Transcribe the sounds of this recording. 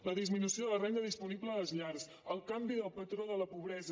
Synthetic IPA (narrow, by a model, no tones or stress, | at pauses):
ləðizminusioðərɛnd̪əðispunibləːləzʎaɾs | əlˠkambiðəlˠpət̪ɾoðələpuβ̞ɾɛzə